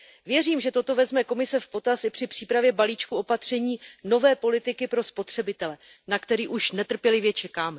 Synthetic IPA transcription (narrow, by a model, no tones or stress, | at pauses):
vjɛriːmʒɛt̪o̞t̪o̞vɛzmɛko̞mɪsɛfpo̞t̪asɪpr̥ɪpr̝̥iːpɾavjɛbaliːt͡ʃkuo̞pat̪r̝̥ɛɲiːno̞vɛːpo̞lɪt̪ɪkɪpɾo̞spo̞t̪r̝̥ɛbɪt̪ɛlɛ | nakt̪ɛɾiːʔuʃnɛt̪r̩pjɛlɪvjɛt͡ʃɛkaːmɛ